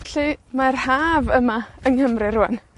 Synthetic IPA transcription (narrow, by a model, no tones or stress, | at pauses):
ɬɨmarhaːvəmaənhəmrɪrʊa̰n